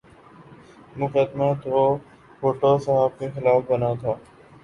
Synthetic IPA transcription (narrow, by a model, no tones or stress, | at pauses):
mʊkəd̪maːt̪ʋoː | foːʈoːsəɦəb̚kexɪlaːfbənat̪ʰaː